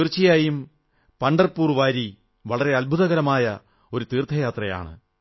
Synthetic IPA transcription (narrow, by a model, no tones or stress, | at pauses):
irt͡ɕːijaːjum | pɐɳɖɐrpuːrʋaːɾi | ʋɐɭɐre̞ɐlbʱuðɐɣɐɾɐmaːjɐ | o̞ɾut̪iːrt̪ʰːɐjaːt̪rɐja̰ːɳɨ̰